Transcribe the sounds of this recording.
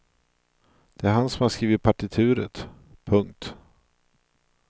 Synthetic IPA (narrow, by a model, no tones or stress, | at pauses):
d̪̥ɛæɾɦansɔmhaskɾiːvəɾpʰaʈɪt̪ʰʉ̟ːɾə̰t̪ | pʰɵŋk̚t̪